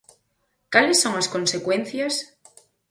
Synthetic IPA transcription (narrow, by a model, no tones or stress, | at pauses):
kalesːoŋaskõnsekwẽn̟θjas